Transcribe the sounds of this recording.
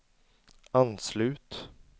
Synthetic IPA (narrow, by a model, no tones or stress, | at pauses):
anslʉ̟ːt̪